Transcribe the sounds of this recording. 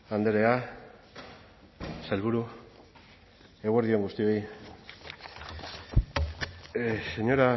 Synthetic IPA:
and̪eɾe̞a | salβuɾu | eɣueɾðio̞ŋɡust̪io̞j | se̞ɲo̞ɾa

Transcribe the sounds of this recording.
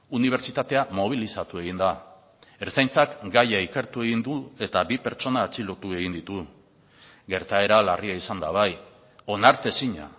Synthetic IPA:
uniβ̞e̞ɾt͡ʃit̪at̪e̞amo̞β̞ilisat̪ue̞ɣind̪a | eɾt͡sajnt͡sakɡajaike̞ɾt̪ue̞ɣind̪ue̞t̪aβipe̞ɾt͡ʃo̞naːt͡silo̞t̪ue̞ɣind̪it̪u | ɡe̞ɾt̪ae̞ɾalariaisand̪aβ̞aj | o̞naɾt̪e̞siɲa̰

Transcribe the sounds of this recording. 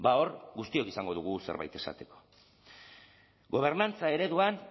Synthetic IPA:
bao̞ɾɡust̪io̞kisaŋɡo̞ðuɣuse̞̰ɾβa̰jt̪e̞sa̰t̪e̞ko̞̥ | ɡo̞β̞e̞ɾnant͡sae̞ɾe̞ðuan

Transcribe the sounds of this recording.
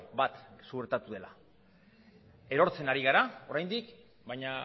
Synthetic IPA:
bat̪sueɾt̪at̪uðe̞la | e̞ɾo̞ɾt͡se̞naɾiɣ̞aɾao̞ɾajnd̪ik | bajɲa

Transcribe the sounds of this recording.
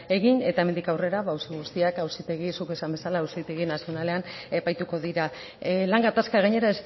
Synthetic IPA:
e̞ɣine̞t̪ae̞mend̪ikawre̞ɾaβawsiɣust̪iakawsit̪e̞ɣ̞isuke̞sambe̞salaːwsit̪e̞ɣinasio̞nale̞ane̞pajt̪uko̞ðiɾa | laŋɡat̪askaɣaɲe̞ɾaes

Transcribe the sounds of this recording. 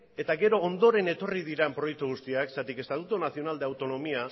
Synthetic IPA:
e̞t̪aɣe̞ɾo̞ːnd̪o̞ɾe̞ne̞t̪o̞rið̞iɾempɾo̞jek̚t̪uɣ̞ust̪iaksat̪ike̞st̪at̪ut̪unasio̞nald̪e̞awt̪o̞no̞mia

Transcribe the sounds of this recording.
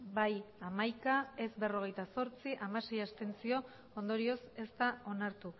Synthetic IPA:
bajamajkae̞sbe̞ro̞ɣ̞e̞jt̪aso̞ɾt͡siʔamase̞jast̪e̞nt͡sio̞ | ond̪o̞ɾio̞se̞st̪ao̞naɾt̪u

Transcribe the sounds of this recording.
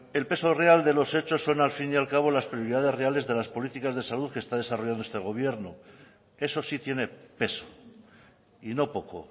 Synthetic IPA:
e̞lpe̞sore̞ald̪e̞lo̞se̞t͡ʃo̞sːo̞nalfinjalkaβ̞o̞laspɾijo̞ɾiðað̞e̞zreale̞zðe̞laspo̞lit̪ikazðe̞saluðkest̪aðe̞saro̞ʝand̪oest̪eɣ̞o̞β̞je̞ɾno | e̞so̞sit̪je̞ne̞pe̞so̥ | ino̞po̞ko̰

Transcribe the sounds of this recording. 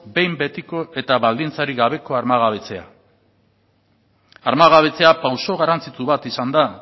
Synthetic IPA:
be̞jmbe̞t̪iko̞ʔe̞t̪aβald̪int͡saɾiɣaβ̞e̞ko̞aɾmaɣ̞aβe̞t͡se̞a̰ | aɾmaɣaβ̞e̞t͡se̞apawso̞ɣ̞aɾant͡sit͡s̪uβat̪isand̪a

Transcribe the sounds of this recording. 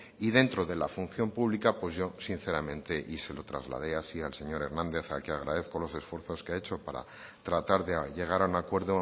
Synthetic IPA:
ið̞e̞nt̪ɾo̞ðe̞lafun̟θjo̞mpuβlikapwezʝo̞sin̟θe̞ɾamẽnt̪e̞ʔise̞lo̞t̪ɾa̰zla̰ðe̞asialse̞ɲo̞ɾe̞ɾnãnd̪e̞θa̰keaɣ̞ɾaðe̞θko̞lo̞se̞sfwe̞ɾθo̞skeae̞t͡ʃo̞paɾa̰ | t̪ɾat̪aɾðeʝe̞ɣ̞aɾaunakwe̞ɾðo

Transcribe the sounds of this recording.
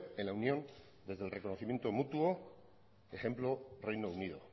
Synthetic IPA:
enlaunjõ̞n | d̪e̞zðelrʔe̞ko̞noθimje̞nt̪o̞mut̪uo | eχe̞mplorejnouniðo̞̰

